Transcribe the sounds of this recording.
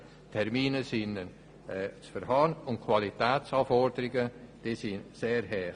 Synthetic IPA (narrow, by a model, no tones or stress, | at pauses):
tʰɛɾmiːnəsɪnənː | t͡sfəɾɦɑːnʊntkʰwalitɛːt͡sɑːfɔrdəɾɪɡəd̥eːsinseːɾɦɛː